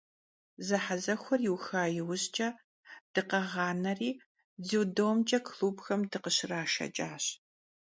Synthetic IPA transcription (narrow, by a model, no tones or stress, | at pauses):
zɐħazɐxʷɔrjɪwxaːjɪwʊɕt͡ʃʼɐ | d̥ɨqɐʁɑːnɐriː | ziwdowmt͡ʃʼɐkʰluːbxɐmdɨqəɕɪraːʃɐ̰t͡ʃʼaːɕ